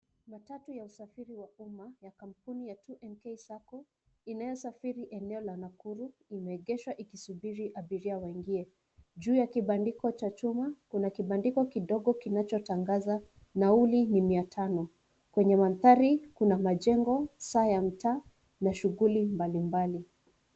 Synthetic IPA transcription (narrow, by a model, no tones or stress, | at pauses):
matatujausafiɾiwaumajakam̩punijatʰuʔɛnkesakɔ | inajɔsafiɾiʔɛnɛɔlanakuɾuimɛːɠɛʃwaʔikisuɓiɾiʔaɓiɾiawɛŋɡiɛ | ʄuːjakiɓandikɔt͡ʃat͡ʃumakunakiɓandikɔkiɗɔɠɔkinat͡ʃɔtaŋɡaza | naulinimiatʰanɔ | kwɛɲɛmanθaɾikunamaʄɛŋɡɔsaːjam̩taː | naʃuɣulimbalimbali